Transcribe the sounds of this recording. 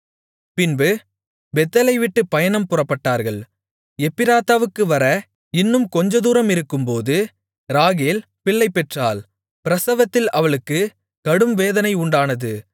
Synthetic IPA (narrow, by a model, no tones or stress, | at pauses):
pɪnbɯ | bɛt̪ːɐlɐɪʋɪʈːɯpːɐjɐnɐmpʊrɐpːɐʈːaːɾɣɐɭ | ɛpːɪɾaːt̪ːaːʋɯkːɯʋɐɾɐ | ɪnːɯmkɔɲd͡ʒɐðuːɾɐmɪɾɯkːɯmpoːðɯ | ɾaːɣeːl | pɪɭːɐɪpːɛʈraːl | pɪɾɐsɐʋɐt̪ːɪlɐʋɐɭɯkːɯ | kɐɽɯmʋeːðɐnɐɪʊɳɖaːnɐðɯ